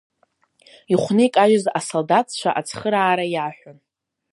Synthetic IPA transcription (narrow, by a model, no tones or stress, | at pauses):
iχʷnɨikʼaʒɪzasoldatʰt͡ʃʷʰa̰ʔat͡sʰχəɾaːɾajaħʷᶣʊn